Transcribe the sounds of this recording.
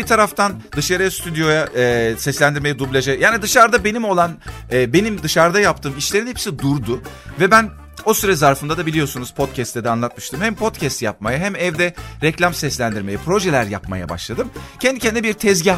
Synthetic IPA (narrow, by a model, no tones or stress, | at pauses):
bit̪ʰaɾaft̪ʰan | d̪ɯʃaɾɯjast̪ʰyd̪jo̞jaːsɛslʲænd̪iɾmejɛd̪ublʲˠad͡ʒɛjaːnid̪ɯʃaɾd̪abenimo̞lˠan | ɛːbe̞nimd̪ɯʃaɾd̪ajap̚t̪ʰɯːmit͡ʃlʲe̞ɾinhɛpsid̪uɾd̪ʊ | vɛbæn | o̞syɾɛzaɾfɯnd̪ad̪abilʲijo̞sunuz̥pʰo̞t̪̚cʰɛst̪ʰːɛd̪ɛanlˠat̪̚mɯʃt̪ɯmhɛmpʰo̞t̪cʰɛst̪jap̚majaɦæmɛvd̪ɛɾɛclʲamsɛslʲænd̪iɾme̞jɛpʰɾo̞ʒɛlʲæɾja̰pma̰ja̰ba̰ʃlˠad̪ɯmcʰɛnd̪icʰɛnd̪ibiɾt̪ʰɛzɟi